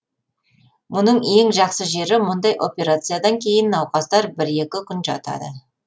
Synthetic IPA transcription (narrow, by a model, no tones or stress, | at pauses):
mʊnəɴe̞ŋʒɑqsəʒe̞ɾɪmʊnd̪ɑjʔo̞pʲe̞ɾat̪sɨjad̪ɑŋkʲʰe̞jɪnːɑwqɑsd̪ɑɾbɪɾe̞kʲɪkʲʰʏnʒɑ̰t̪ɑ̰d̪ə̰